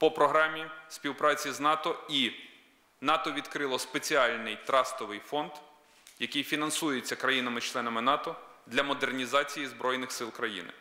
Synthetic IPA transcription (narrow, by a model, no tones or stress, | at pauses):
pɔpɾɔɦɾɑmʲispʲiwpɾɑt͡sʲiznɑt̪ɔi | nɑt̪ɔʋʲid̪kɾɪlˠɔspet͡sʲiɑlʲnɪjt̪ɾɑst̪ɔʋɪjfɔnd̪ | jɐkɪjfʲinɐnsujet͡sʲːɐkɾɐjinɐmɪt͡ʃlˠɛnɐmɪnɑt̪ɔd̪lʲɐmɔd̪ernʲizɑt͡sʲijizbɾɔjnɪxsɪlˠkɾɐjḭnɪ̰